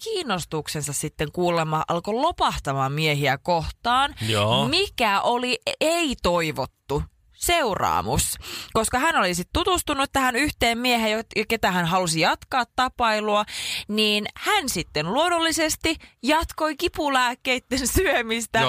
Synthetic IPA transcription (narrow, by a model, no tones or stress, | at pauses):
kiːnːˑost̪uksensɑssit̪ːeŋkuːlemːɑʔɑlkolopɑht̪ɑmɑmieɦiækoht̪ɑːnomikæʔolieit̪oiʋot̪ːu | seurɑ̰ːmṵskoskɑhænolisit̪t̪ut̪ust̪unːuet̪ːæhænyht̪eːmmieɦejjojɑket̪æhænɦɑlusijɑt̪kɑːt̪t̪ɑpɑiluɑniːnhænsit̪ːenluonolːisest̪ijɑt̪koikipulæːkːeit̪ːensyømist̪æ